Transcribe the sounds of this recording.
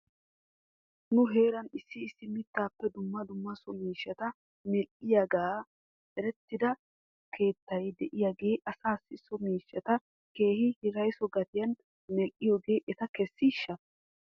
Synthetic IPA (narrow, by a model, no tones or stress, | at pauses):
nʊɦe̞ːɾɐnɪsːɪːsːɪmɪt̪ːaːpːɛd̪ʊmːɐd̪ʊmːɐsɔmiːʃːɐt̪ɐ | nɛʔʼɪjaɡaː | ɛɾɛt̪ːɪd̪ɐ | ke̞ːt̪ːɐjd̪ɛʔɪjaːɡe̞ːʔɐsaːsːɪsːɔmiːʃːɐt̪ɐ | ke̞ːhɪhɪɾɐjsɔɡɐt̪ɪjɐnː | ɛʔʼɪjoːɡe̞ːʔɛt̪ɐkɛsːɪʃːɐ